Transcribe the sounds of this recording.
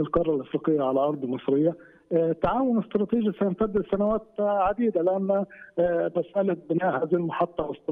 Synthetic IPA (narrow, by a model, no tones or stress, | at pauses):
ɪlqɑrˤɑlʔɑfɾiːqɪjːaʕalælʔɑɾˤd̪ˤlmɨsˤɾɪjːa | t̪aʕaːwʊnɪst̪ɾˤɑːt̪iːʒjisæjɪnt̪æd̪ːɪsanawaːt̪ʕad̪iːd̪alɪʔamːa | basʔalat̪̚bɪnaːʔhaːðihilmɑħɑt̪ˤːɑwɪst̪